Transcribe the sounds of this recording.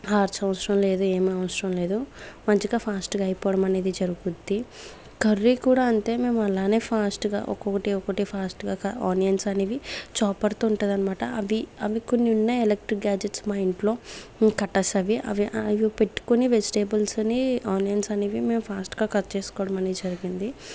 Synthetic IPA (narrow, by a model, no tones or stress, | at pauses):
ɦaːɾt͡ʃɐʋɐsɾɐmle̞ːd̪ue̞ːmiɐʋɐsɾɐmle̞ːd̪umɐɲt͡ʃiɡaːpʰaːsʈɡaːɐjpɔːɽɐmɐneːd̪id͡ʒɐɾuɡud̪ːi | kɐrːikuːɽaːɐɳte̞ːme̞ːmuɐlaːne̞ːpʰaːsʈɡa̰ːʔɔ̰kɔkɐʈiɔkɐʈipʰaːsʈɡaːkɐaːnijɐnsɐneːʋit͡ʃɔːpɐɾt̪oːuɳʈund̪ɐnɐmaːʈɐɐʋiɐʋikonːiunːɐelek̚ʈɾik̚ɡaːd͡ʒeʈsmɐjiɳʈlo̞ːkɐʈːɐsɐʋiʔɐ̰ʋiʔɐʋipe̞ʈːu̥koniʋed͡ʒiʈeːbɐlsɐniaːnijɐnsɐneːʋime̞ːmpʰaːsʈɡaːkɐt͡ʃe̞ːsu̥kɔːɽɐmɐneːd̪id͡ʒɐɾiɡind̪i